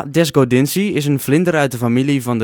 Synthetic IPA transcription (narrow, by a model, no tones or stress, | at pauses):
dɛs̬ɡodɪnsiɪs̬ənflɪndəɾœɥt̚dəfamilivɔndə